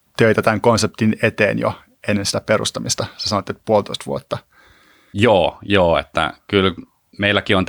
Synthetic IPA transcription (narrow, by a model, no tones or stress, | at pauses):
t̪øit̪æt̪æŋkonsep̚t̪inet̪eːnjo̰ | enːensi̥t̪æperṵst̪ɑmist̪ɑsesɑnot̪ːet̪puolt̪oist̪ʋṵot̪ːɑ | joːjoːḛt̪ːæ̰kyl | meilːˑækiont̪